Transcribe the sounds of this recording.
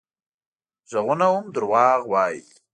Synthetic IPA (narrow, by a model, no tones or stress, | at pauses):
ʒəɣunawumd̪əɾwɑːɣwɑjḭ